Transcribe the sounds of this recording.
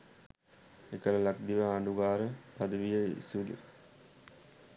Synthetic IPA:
ekələlak̚d̪iʋəɦaɳɖuɡaːɾəpad̪əʋijəḭsulḭ

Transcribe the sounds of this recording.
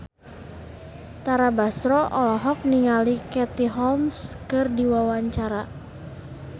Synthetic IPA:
t̪aɾabasɾɔʔɔlɔɦɔk̚niŋalikɛt̪iɦɔlmskɨrdiwawaɲt͡ʃaɾa

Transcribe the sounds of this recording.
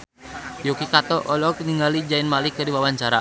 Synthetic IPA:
jokikat̪ɔʔɔlɔkniŋɡalid͡ʒainmalikːərdiwawaɲt͡ʃaɾa̰

